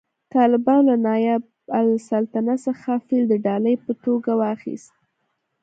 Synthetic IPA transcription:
t̪ɑlɪbɑnlanɑjab | alsalt̪anasəxafild̪əɖɑləjpət̪oɡawɑxḭst̪̚

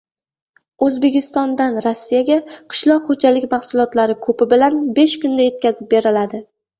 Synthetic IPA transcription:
ɵzbekʲɪst̪ɒnd̪anɾasːijaɡʲaqʰɨ̥ʃlˠɒqχod͡ʒalɪkʲmaχsʊlˠɒt̪laɾɪkʰɵpɪbɪlanbe̞ʃkʊnd̪aje̞t̪̚kʲazɪp̚be̞ɾɪlad̪ɪ

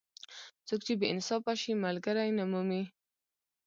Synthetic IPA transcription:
t͡sokt͡ʃebəɪnsɑfaʃimalɡaɾajnamumi

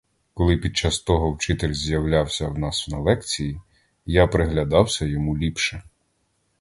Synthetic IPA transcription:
kɔlˠɪpʲid̪̚t͡ʃɑst̪ɔɦɔwt͡ʃɪt̪elʲzʲjɐwlʲawsʲɐwnɑsnɐlˠɛkt͡sʲiji | japɾeɦlʲɐd̪ɑwsʲɐjɔmulʲipʃɛ

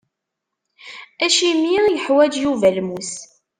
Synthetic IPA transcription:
æʃimjiʁijəħwæd͡ʒjuvælmus

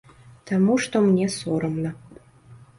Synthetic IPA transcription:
t̪ʰəmuʃt̪omnʲesoɾə̆mnə̆

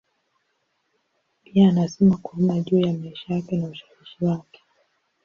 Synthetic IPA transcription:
piaːnasɛmakuumaʄuːjamaiʃajakɛnauʃawiʃiwakɛ̥

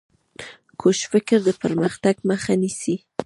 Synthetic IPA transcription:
kʰoʃfɪkɪɾd̪əpəɾməxt̪aɡməxanisi

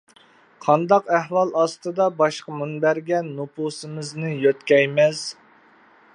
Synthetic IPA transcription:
qʰɑnd̪ɑqæhwɑlˠɑst̪ɨd̪ɑbɑʃqɑmunbæɾɡʲɛnːupusɨmɨznɨjøt̪kʲɛjmɛz̥

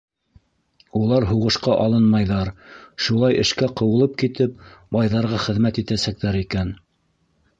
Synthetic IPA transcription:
ulˠɑɾɦuʁɤ̆ʃqɑʔɑlˠɤnmɑjðɑɾʃulˠɑjɘ̆ʃkæqɤ̆wɤ̆lˠɤp̚kit̪ɘp̚bɑjðɑɾʁɑχɘ̆ðmæt̪it̪æsæk̚t̪æɾikæn

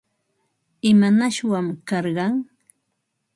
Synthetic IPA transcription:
ɪmanaʃwamkɑɾɢɑŋ

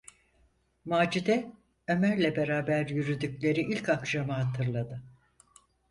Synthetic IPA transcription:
maːd͡ʒid̪ɛ | ømæɾlʲɛbe̞ɾaːbæɾjyɾyd̪ycʲlʲe̞ɾiʔilʲcakʃamɯɦat̪ʰɯɾlˠad̪ɯ

